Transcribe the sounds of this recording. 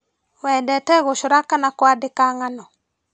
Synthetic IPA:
wɛdɛtɛɣoʃʊɾakanakwadɪkaŋanɔ

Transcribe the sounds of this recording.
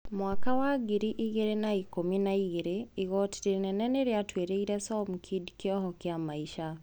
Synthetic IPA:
mwakawaɡiɾiʔiɣeɾenaikominaiɣeɾeiɣɔti̥denɛnɛneɾjatweɾeiɾɛsɔm̩kʰidkjɔɦɔkjamaiʃa

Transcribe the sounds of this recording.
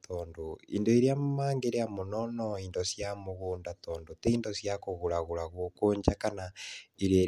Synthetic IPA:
tʰɔːndoḭndoiɾjamaːŋɡeɾeamonɔnɔindosjamoɣoːndatɔːndotɛindosjakoɣuɾaɣuɾaɣwokoːɲd͡ʒakanaiɾe

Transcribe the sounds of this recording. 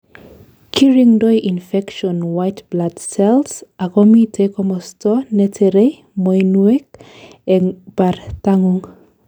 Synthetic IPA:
kʰiɹiŋdojʔinfɛkʃɔnwajtbladsɛlsakɔmitʰekɔmɔstɔnɛtʰeɾe | mojnuɛkɛŋbartaŋuŋ

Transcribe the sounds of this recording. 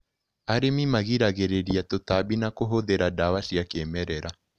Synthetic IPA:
aɾemimaɣiɾaɣeɾeɾiatotabinakoɦoðeɾadawaʃiakemɛɾɛɾa

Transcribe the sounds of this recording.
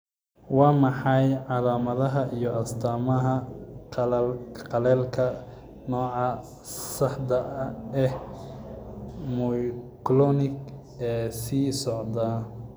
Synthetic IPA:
wɑːmɑħɑjʕɑlaːmɐðɐɦɐʔijɔʔɐst̪ʰaːmɐɦɐ | qɑlɛːlkʰɐ | nɔːʕɑ | sɑħd̪ɐʔɛh | mɔjklɔnɪɡ | ɛːsiːsɔʕd̪aː

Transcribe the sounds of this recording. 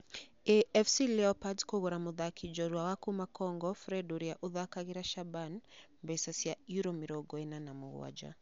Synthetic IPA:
ɛɛfsilɛɔpadkɔɣɔɾamuðakʰid͡ʒɔɾwawakumakɔŋɡɔfɾɛduɾiaʔuðakaɣiɾaʃabanmbɛsasiaiɾɔmiɾɔɡɔɛnanamuɣw̰a̰d͡ʒa̰

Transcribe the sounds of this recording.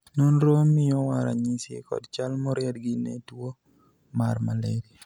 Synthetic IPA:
nonɾomːɪjɔwaɾaɲisḛkɔ̰dt͡ʃalmɔɾjadɡinḛtuwo | maɾmaleɾi

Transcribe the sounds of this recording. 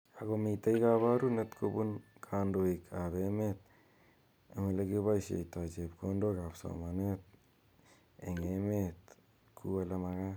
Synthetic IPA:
aɡomitajkaβaɾunet̪kʰobunkʰandoikʰaβemet̪̚ | emeleɡiβajsḛjtad͡ʒepkondokapso̰manet̪̚ | eŋemet̪ | kʰualamaɡa

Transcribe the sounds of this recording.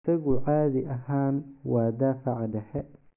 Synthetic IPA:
sɐɣʊʕaːðɪʔɐɦaːnwɑːd̪aːfɐʕɑɖɛħɛ

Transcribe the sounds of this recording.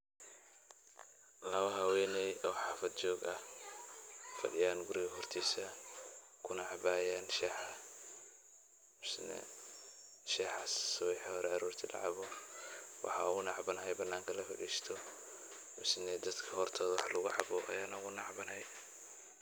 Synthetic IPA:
lɐwɐɦɐwɛːnɛjʔɔːħɑːfɐd̪̚t͡ʃɔːɡɐh | fɐ̰ɖɪjaːnɡʊɾiɣɐɦɔrt̪ʰiːsɐ | kʰʊnɑʕɑbaːjanʃɛħ | ʊsnɛ̰ | ʃɛːħɑsːʊwɛħhɔɾɛaɾuːrt̪ʰilʔɐ̰ʕɑ̰βɔ | wʔɑ̰ħɑ̰ʊɣʊnɑʕbɐnɐɦɛjbɐnːaːŋkʰɐlɐfɪ̰ʕiːʃt̪ʰɔ | mʊsnɛd̪ɐd̪kʰɐhɔrt̪ʰɔːðwɑħlʊɣʊʕɑ̰bɔʔɐ̰jaːnɐɣʊnɑʕbɐnɛj

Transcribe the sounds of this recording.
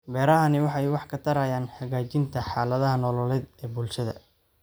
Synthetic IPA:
bɛːɾɐɦɐnɪwɑħɑjwɑħkʰɐt̪ʰɐɾɐjaːnħɑɣaːt͡ʃɪnt̪ʰɐħɑːlɐðɐɦɐnɔːlɔlɛd̪ɛːbʊlʃɐðɐ̰

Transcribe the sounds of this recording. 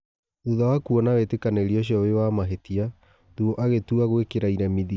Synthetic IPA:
ðuðawakuɔnawetekaneiɾioɕ̬jɔβewamaɦetia | ðuɔʔaɣetuaɣwekeɾaiɾamiði

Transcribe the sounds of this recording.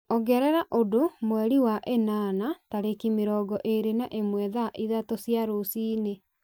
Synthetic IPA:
ɔɡɛɾɛɾaʔodomwɛɾiwaʔenanataɾekimeɾɔɡɔʔeɾenaʔemwɛðaʔiðatosjaɾosiːne

